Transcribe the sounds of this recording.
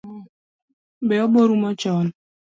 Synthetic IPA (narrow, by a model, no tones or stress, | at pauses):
beoɡ͡boɾumɔt͡ʃɔn̩